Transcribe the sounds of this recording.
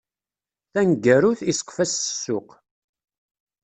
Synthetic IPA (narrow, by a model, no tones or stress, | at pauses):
θænɡæɾuθisə̥qfæsə̥sːʊq